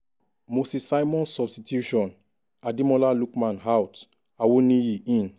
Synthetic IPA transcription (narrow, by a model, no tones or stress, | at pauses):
mosisajmɔ̃nsɔbstitʰjuʃɔ̃n | adĩmɔlalukmãnɦawt | awonijiʔĩn